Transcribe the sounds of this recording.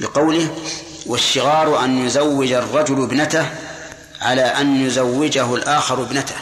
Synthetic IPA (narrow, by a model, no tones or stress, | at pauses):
bɪqɑwlɪh | waʃːɪɣɑːɾˤʔanjʊzawːɪd͡ʒarˤːɑd͡ʒʊlbnat̪ah | ʕa̰laːʔanjʊzawːɪd͡ʒaɦʊlʔaːxɑɾˤʊbnat̪ḁh